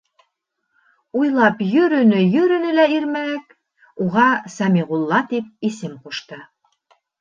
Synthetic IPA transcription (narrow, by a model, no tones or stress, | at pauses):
ujlˠɑpjɵ̆ɾɵ̆nɵjɵ̆ɾɵ̆nɘlæiɾmæk | uʁɑsæmiʁulˠːɑt̪ip̚isɘmquʃt̪ɤ